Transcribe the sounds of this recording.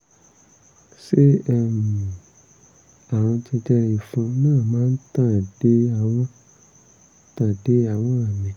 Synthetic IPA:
se˦ɛ˧mĩ˨ | a˨w̃ɔ̃˧d͡ʒi˧d͡ʒɛ˧i˨fũ˧nãː˦˨mãː˨˦n̩˦tã˦˨d̥e˨˦a˦˧˨w̃ɔ̃˦ | tã˦˨de˦a˧˨w̃ɔ̃˦a˦˨mĩ˨

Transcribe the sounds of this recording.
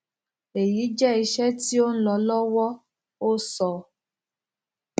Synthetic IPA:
e˨ji˨˦d͡ʒɛ˦i˧ʃɛ˦ti˦o˦n̩˦lɔ˧lɔ˦wɔ˦ | o˦sɔ˨

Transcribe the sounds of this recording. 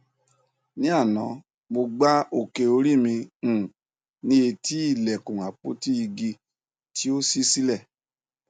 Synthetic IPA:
nĩ˦a˦˨nã̰˨˦ | mo˧ɡ͡ba˦o˦˨ke˨o˧ɾi˦˨mĩ˧ũ˨ | nĩ˦e˧ti˦i˦˨lɛ˨kũ˨a˨k͡po̰˨˦ti˦i˧ɡi˧ | tʰi˦o˦si˦si˦lɛ˦˨

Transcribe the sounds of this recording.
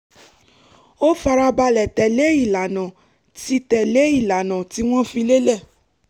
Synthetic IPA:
o˦fa˧ɾa˧ba˧lɛ˨tɛ˨le˨˦i˦˨la˨nã˨ | ti˧tɛ˨le˨˦i˦˨la˨nã˨ti˨˦w̃ɔ̃˦fĩ˧le˦lɛ˦˨

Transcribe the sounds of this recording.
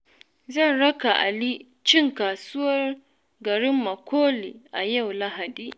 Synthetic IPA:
zɐ˦˨nɽɐ˦ka˨ʔa̰˨li˦ | t͡ʃɪ˦˨ŋkaː˨sʊ˦wɐ˦r | ɡɐ˨ɽɪ˦mːɐ˨kʰʷoː˦lḭ˨ʔa˨ja˦˨wla˦ɦa˨diː˦

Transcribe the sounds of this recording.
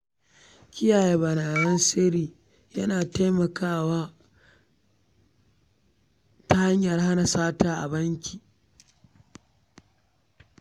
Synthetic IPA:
kʲɪ˦jaː˨je˦bɐ˨naː˨jɐ˦nsɪ˦ɾiː˨ | jɐ˦naː˨ta˦jmɐ˨kaː˦˨waː˦ | ta˦ha˦ɲjɐ˨rha˦na˨saː˦taː˦ʔa̰˨bɐ˦ŋkʲiː˨

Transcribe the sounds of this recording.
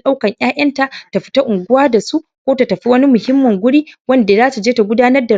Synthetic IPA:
ɗa˦wkɐ˨ɲj̰aː˦ʔɐ˦nta˨ʔta˨ɸɪ̥˦ta˦ʔʊ˨ŋɡʷʊ˦waː˦da˨su˦ʔ | kʷoː˦ta˨tɐ˨ɸi˦wɐ˦ni˦mʊ˨hɪ˦mːɐ˨ŋɡʷʊ˦ɽiː˦wɐ˦nda˨zaː˦tu˨d͡ʒeː˦ta˨ɡʷʊ˦daː˦nɐ˦rda˨

